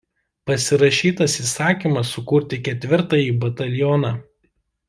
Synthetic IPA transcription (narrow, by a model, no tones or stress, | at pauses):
pɐsʲɪɾɐʃʲiːt̪ɐsisɑːkʲiˑmɐsʊkuɾʲt̪ʲɪkʲɛt̪ʲʋʲɪɾt̪ɐjiːbɐt̪ɐlʲjɔnɑ